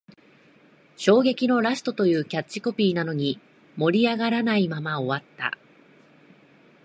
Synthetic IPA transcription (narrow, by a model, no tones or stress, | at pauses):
ɕo̞ːɡe̞kʲino̞ɾasɨ̥t̪o̞t̪o̞jɯ̟ːkʲat͡ɕːiko̞pʲiːnano̞ɲ̟i | mo̞ɾʲiaɡaɾanaimamao̞βat̪ːa̰